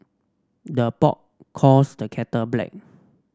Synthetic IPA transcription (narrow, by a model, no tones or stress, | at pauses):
dəpɔ̰ʔ̚ | kʰɔsdəkʰɛtəblɛ̰k̚